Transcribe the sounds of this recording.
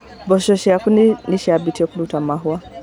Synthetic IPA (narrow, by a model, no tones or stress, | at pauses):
bɔʃɔʃɛakuniniʃabitiɔkunutamaɦua